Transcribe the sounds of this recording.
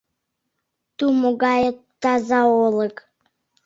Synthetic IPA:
t̪umoɡɑjət̪ːɑzɑolˠək

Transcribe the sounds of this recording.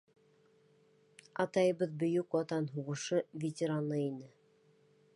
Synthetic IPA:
ɑt̪ɑjɤ̆βɤðbɵ̆jɵkwɑt̪ɑnɦuʁɤ̆ʃɤvʲetʲɪɾanɤinɘ

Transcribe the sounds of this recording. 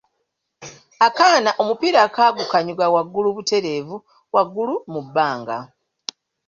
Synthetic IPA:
akaːnaʔo̞mupiɾakaːɡukaɲuɡawaɡːuluβute̞ɾe̞ːvu | waɡːulumubːaːŋɡa̰

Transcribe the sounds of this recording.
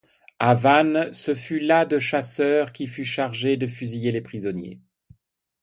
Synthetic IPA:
avansəfylad̪əʃasœːʁkʲifyʃaʁʒed̪əfyzijelepχizɔnjḛ

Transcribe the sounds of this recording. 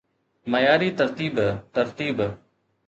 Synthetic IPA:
məjaːɾiːt̪əɾt̪iːbt̪əɾt̪iːb

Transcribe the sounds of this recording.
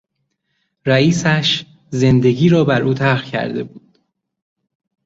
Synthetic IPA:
ɾæiːsæʃ | ze̞nd̪e̞ɟiːɾɒːbæɾʔuːt̪ʰæɾʁcʰæ̰ɾd̪e̞̰buːd̪̥

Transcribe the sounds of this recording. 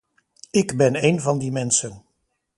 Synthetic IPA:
ɪɡbɛnejnvɑndimɛnsən

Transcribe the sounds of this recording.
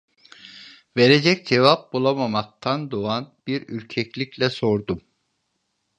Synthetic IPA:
ve̞ɾed͡ʒɛc̚d͡ʒevap̚bulˠamamak̚t̪ʰand̪oanb̥iɾyɾcʰɛclʲiclʲɛso̞ɾd̪um

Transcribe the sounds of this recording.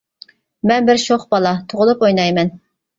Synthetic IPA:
mɛnbɪɾʃoχbɑlˠɑt̪ʰoʁʊlˠupojnɑjmɛn

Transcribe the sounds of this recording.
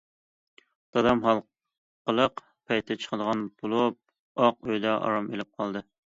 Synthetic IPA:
d̪̥ɑd̪ɑmɦɑlˠ | qəlˠəq | pʰɛjt̪ʰɛt͡ʃʰə̥χəd̪əʁɑnb̥olˠup̚ | ɑq̚øjd̪ɑʔɑ̰ɾɑmelɪp̚qʰɑlˠd̪ɨ

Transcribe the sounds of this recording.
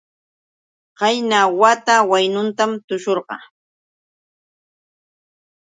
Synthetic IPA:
qɑjnawat̪awajnʊnt̪amt̪ʊʃoɾɢɑ̰

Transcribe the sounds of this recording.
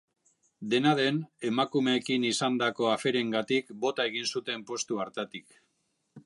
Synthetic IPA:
d̪e̞naðe̞ne̞makume̞ːkinisand̪ako̞afe̞ɾe̞ŋɡat̪ikbo̞t̪ae̞ɣinsut̪e̞mpo̞st̪uaɾt̪at̪ik

